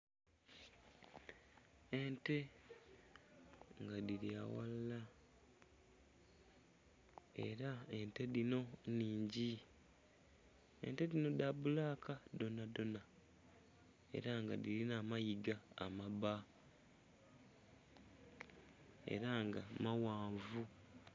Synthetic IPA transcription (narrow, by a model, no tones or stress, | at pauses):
e̞nte̞ | ŋɡadiɾia̰wa̰lla | e̞̰ɾae̞nte̞ðino̞niːɲɟi | ḛnte̞dino̞daβulaːkado̞nado̞na | e̞̰ɾaŋɡadiɾinamajiɡa̰ːmaβa | e̞̰ɾaŋɡamawaːɱvu